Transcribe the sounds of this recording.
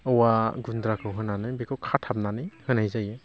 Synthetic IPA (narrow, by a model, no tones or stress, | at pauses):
ɔwaɡundɾakʰɯwɦɯnanɯjbikʰɯwkʰatʰap̚nanɯjhɯnajzaje